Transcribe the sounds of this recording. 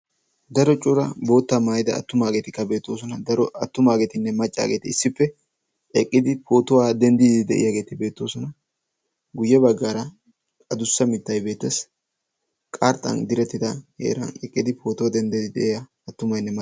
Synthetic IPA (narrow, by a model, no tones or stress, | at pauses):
d̪ɐɾɔt͡ʃʼʊɾɐbo̞ːt̪ːamaːjɪd̪ɐ̰ːt̪ːʊmaːɡeːt̪ɪkːɐbe̞ːt̪ːo̞ːs̬ɔnɐd̪ɐɾɔɐt̪ːʊmaːɡet̪ɪnːɛmɐt͡ʃʼːa̰ːɡeːt̪ɪɪsːɪfːɛ | ɛkʼːɪd̪ɪpʰo̞ːt̪ʊwaːd̪ɛnd̪id̪ɪd̪ɛ̰ʔɪ̰jaːɡe̞ːt̪ɪbe̞ːt̪ːo̞ːsɔnɐ | ɡʊjːɛbɐɡːaːɾɐ | ɐd̪ʊsːɐmɪt̪ːɐjbe̞ːt̪ːɛs | kʼaɾt̪ʼːɐ̰nd̪ɪɾɛt̪ːɪd̪ɐhḛːɾɐ̰nɛkʼːɪd̪ɪpʰo̞ːt̪ʊwɐd̪ɛnd̪ɪd̪ɪd̪ɛ̰ʔɪjɐːt̪ːʊmɐjnːɛmɐ